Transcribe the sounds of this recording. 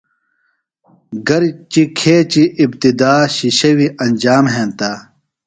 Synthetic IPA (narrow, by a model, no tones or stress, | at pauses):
ɡɐɾt͡ɕikʰeːt͡ɕiʔːb̚t̪id̪aːɕiɕɐwiʔɐnd͡ʑaːmɦẽːnt̪a